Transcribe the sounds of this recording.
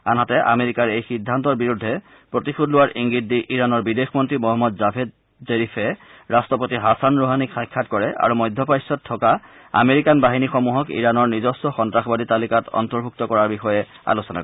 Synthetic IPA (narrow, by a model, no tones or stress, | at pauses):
anɦatɛʔa̰meɹikaɹejxidʱːantɔɹbiɹudʱːɛ | pɹotixudlʊwaɹʔiŋɡidːiʔiɹanɔɹbidexmɔntɹimɔɦɔmːɔdzapʰed | zeɹifʰɛɹastɔpotiɦasanɹuɦanikxajkʰːatkɔɹɛʔa̰ɹumɔjdʱɔpajsɔtʰːɔka | a̰meɹikanbaɦinixɔmuɦɔkḭɹanɔɹnizɔstɔxɔntɹaxɔbadʱitalikatɔ̰ntɔɹbʱuk̚tɔkɔɹaɹbixɔjɛ | a̰losɔna̰kɔ